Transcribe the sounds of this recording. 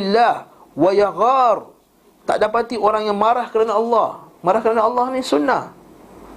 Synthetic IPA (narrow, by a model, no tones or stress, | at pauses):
ilːah | wajaɣar | t̪a̰ʔdapat̪ioɾaŋjaŋmaɾahkəɾanaɑlːɑhmaɾahkəɾanaɑlːɑhnisunːah